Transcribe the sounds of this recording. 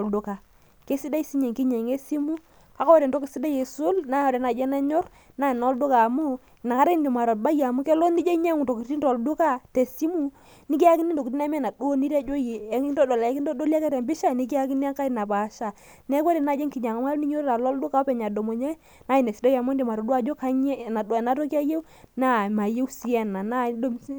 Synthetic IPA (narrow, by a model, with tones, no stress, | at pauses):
o˨ldu˦ka˨ | ke˦si˦da˦i˦si˦ɲe˨ŋki˦ɲe˨ŋe˦si˦mu˦ | a˨˦ko˦ɾe˨ndo˦ki˨si˦da˦je˨su˦lna˨˦o˨de˨na˨d͡ʒɛ˦na˦ɲɔ˦r | na˦i˨no˨˦ldu˦ka˨mu˦˨ | na˨ka˦ɾe˦ndi˨ma˨ɾo˨t̚ba˦ja˨mu˦ke˦lo˦ni˦d͡ʒe˦ɲe˦ŋu˨to˨ki˨ti˦nto˨ldu˦ka˦te˨si˦mu˦ | ni˦k̬i˦a˦ki˦ni˦ndo˨ki˨t̬i˦na˦mɛ˦˨na˨du˦o˦ni˦ɾa˦d͡ʒo˦je˨˦i˦ndo˦dɔ˨la˨˦ki˦ndo˦do˦li˦a˦kɛ˦ɾɛ˨mbi˦ʃa˦˨ni˦ki˦a˦ki˦ni˦a˦ŋka˦i˨na˨pa˨ʃa˨ | nɛ˦kʷwɔ˦ɾɛ˨na˨d͡ʒɛ˦ŋki˨ɲa˨ŋa˨ma˦ni˦ɲo˦ɾɾa˨lɔ˦ldu˦ka˨˦pɛ˨ɲa˨do˨mo˨ɲɛ˦ | na˦i˨ne˨si˨do˦ja˨mo˦n˦di˨ma˨ɾɔ˨dwa˦d͡ʒo˦ka˦ɲ˦˨na˨dna˦to˦ki˦a˦je˦w | na˦˨ma˨je˦wsi˦ɛ˦na˨na˦do˦m˦